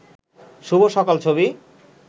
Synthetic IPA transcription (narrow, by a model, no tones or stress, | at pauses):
ʃuboʃɔkalt͡ɕʰoβi